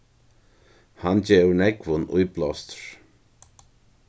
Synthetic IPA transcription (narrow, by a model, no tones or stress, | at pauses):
hand͡ʒɛːwnɛɡvʊnṵjblɔst̪əɹ